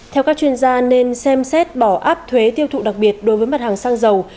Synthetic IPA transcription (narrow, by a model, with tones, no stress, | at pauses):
t̪ʰɛ˧wkaː˦˥k̚t͡ɕwi˧ənzaː˧ne˧nsɛ˧msɛ˦˥t̚ɓɔ˧˩ʔa̰ː˦˥p̚t̪ʰwe˨˦t̪i˧əwt̪ʰṵ˧˨ɗa˨˩k̚ɓi˨˩ət̚ɗo˨˦jvəː˨˦jma˨˩t̚haː˨˩ŋsaː˧ŋzə˨˩w